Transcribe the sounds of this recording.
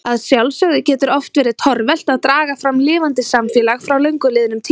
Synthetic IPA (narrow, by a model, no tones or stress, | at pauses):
aðsjawlsœɣðɪcɛːt̪ʏɾɔft̪vɛːɾɪt̪ʰɔɾvɛl̥t̪aðt̪ɾaːɣafɾamːlɪːvant̪ɪsamfjɛlaɣfɾawlœɥŋkʏlɪðɪnʏmt̪ʰi